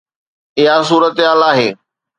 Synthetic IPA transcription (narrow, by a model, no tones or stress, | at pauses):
ɪɦas̬uːɾət̪ɪɦaːlaːɦeː